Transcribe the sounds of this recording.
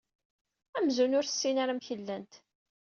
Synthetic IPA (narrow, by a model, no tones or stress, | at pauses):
æmzunʊɾθə̥sːinaɾamçəlːænt̪